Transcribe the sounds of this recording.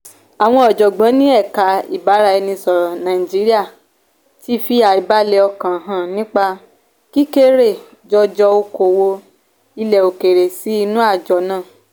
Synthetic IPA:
a˨w̃ɔ̃˧˦ɔ˨d͡ʒɔ˨ɡ͡bã˨˦nĩ˦ɛ˦˨ka˨˧˦ḭ˨ba˨˦ɾa˦˧ɛ˧nĩ˧sɔ˨nã˨i˨d͡ʒi˨˦ɾi˦a˦˨ | ti˦fi˦a˨i˨ba˦le˧ɔ˧kã˨ɦã˨nĩ˦k͡pa˧ | ki˦ke˦ɾe˦˨ | d͡ʒɔ˧d͡ʒɔ˧o˧ko˨wo˧ | i˧lɛ˨o˨ke˨ɾe˨si˨˦i˧nũ˦a˦˨d͡ʒɔ˨nãː˦˨

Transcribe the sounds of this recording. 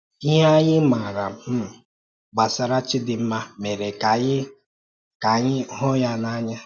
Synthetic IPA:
ɦa˦ɲɪ˦ma˨ɾa˨m˨m̩˦˨ | ɡ͡ba˨sa˨ɾa˦t͡ʃɪ˦dɪ˨m̩˦ma˦me˨ɾe˨ka˨jɪ˦ | ka˨ɲɪ˦ɦɔ˦ja˦na˦ɲa˦

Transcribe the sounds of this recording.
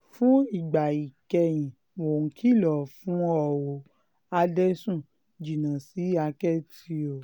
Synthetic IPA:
fũ˦i˦˨ɡ͡ba˨i˨kɛ˧j̃ĩ˨ | mo˨kʰi˦˨lɔ˨fũ˨˦ɔ˨wo˨ | a˧dɛ˦sũ˦˨ | d͡ʒi˨nã˨si˨˦a˧kɛ˦˨ti˧˦o˨

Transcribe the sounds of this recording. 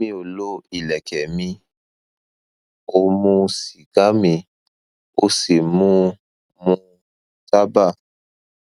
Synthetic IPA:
mĩ˦o˨lo˦i˨lɛ˨kɛ˨mĩ˧ | o˧mũ˧si˨ɡ̥a˦mĩ˧ | o˦si˨mũ˦ | mũ˧ | ta˦ba˦˨

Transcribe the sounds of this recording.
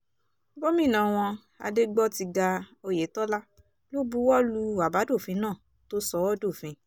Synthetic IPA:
bo˦mĩ˦˨nã˨w̃ɔ̃˧ | a̰˧de˦ɡ͡bɔ˦ti˧ɡa˧o˧je˨˦tɔ˦la˦ | lo˦bu˦wɔ˦lu˧˦a˨ba˨˦do˦˨fĩ˨˧˦nãː˦˨ | to˦sɔ˦wɔ˦do˦˨fĩ˧

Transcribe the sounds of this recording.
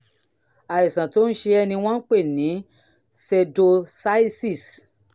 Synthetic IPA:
a˨i˨sã˨to˨˦n̩˦ʃe˧ɛ˧nĩ˧w̃ɔ̃˦n̩˦k͡pe˦˨nĩ˨˦ | se˧do˧sa˦i˦si˦˨s

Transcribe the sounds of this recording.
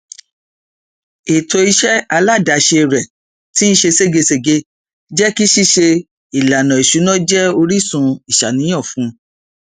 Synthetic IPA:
e˨to˧i˧ʃɛ˦a˧la˦˨da˨˦ʃe˧˨ɾɛ˨ | ti˦n̩˦ʃe˧se˦˨ɡe˧se˨ɡe˧˦ | d͡ʒɛ˦ki˦ʃi˦ʃe˧ | i˨la˨nã˨i˨ʃu˨˦nɔ̃˦d͡ʒɛ˦o˧ɾi˦sũ˧i˨ʃa˨nĩ˨˦j̃ɔ̃˦˨fũ˨˦

